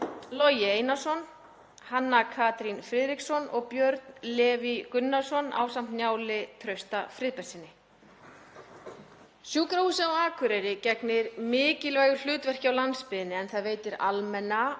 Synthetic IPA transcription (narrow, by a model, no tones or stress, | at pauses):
lɔjɪeːjnasɔn | hanːakʰaːt̪ɾinfɾɪːðɾiksɔnɔɣpjœɾt̪nlɛːvikʏnːasɔna̰ːwsam̥t̪njaːwlɪt̪ʰɾœɥst̪afɾɪːðpɛ̥sɪnːɪ | sjuːkɾahuːsɪɔaːkʰvʏɾɛjɾɪcɛknɪɾmɪːcɪlvaːjɣʏl̥ʏːt̪vɛr̥cɪawlanspɪðɪnːɪɛnθaðveːjt̪ɪɾalmɛnːa